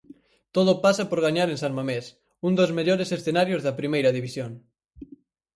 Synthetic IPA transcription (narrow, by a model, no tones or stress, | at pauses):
t̪oð̞opasɐpoɾɣaɲaɾẽnsalmames | und̪ozmeʎoɾesesθenaɾjozðɐpɾimejɾɐðiβisjoŋ